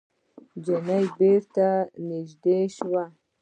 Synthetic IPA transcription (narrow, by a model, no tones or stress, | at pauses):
d͡ʒɪnajbeɾt̪anɪʒd̪eʃwa